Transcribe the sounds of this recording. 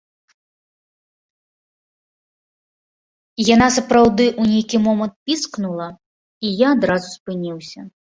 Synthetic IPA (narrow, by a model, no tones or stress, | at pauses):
jan̪asɐpɾawd̪ɨʔunʲejkʲimɔmɐnt̪̚pʲisknulˠɐ | ijaːd̪ɾazuspɨnʲiwsʲɐ